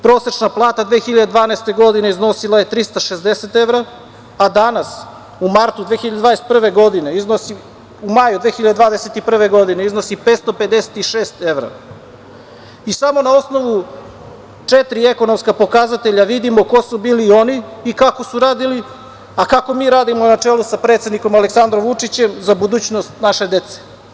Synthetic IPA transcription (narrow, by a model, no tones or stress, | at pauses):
pɾo̞ːset͡ʃnaplˠaːt̪ad̪ʋeːxiʎad̪ed̪ʋaːneːst̪e̞ɡo̞d̪ineizno̞silaje̞t̪ɾist̪aʃezd̪eset̪e̞ʋɾaː | d̪anas | umaɾt̪ud̪vʋeːxiʎad̪d̪ad̪est̪pr̩ʋe̞ɡo̞d̪ine̞iznosi | umajud̪ʋeːxiʎad̪ed̪ʋaːd̪eset̪ipr̩ʋe̞ɡo̞d̪ineizno̞sipeːt̪st̪ope̞d̪e̞set̪iʃeːst̪e̞ʋɾa̰ | isamo̞nao̞sno̞ʋu | t͡ʂet̪ɾie̞ko̞nomskapo̞kazat̪eʎaʋid̪imo̞ko̞subiːlio̞niːkako̞suɾaːd̪ili | akako̞miːɾaːd̪imo̞nat͡ʂeːlusapɾe̞t̪sed̪niko̞maleksand̪ɾomʋut͡ʂit͡ɕe̞mzabud̪uːt͡ɕno̞st̪naʃe̞d̪e̞t̪se̥